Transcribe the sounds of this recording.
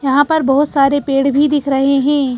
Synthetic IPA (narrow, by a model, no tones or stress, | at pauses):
jɐɦãpɐɾbɐɦʊt̪saːɾepeːɽbʱid̪ɪkʰɾɐɦeɦɛ̃ː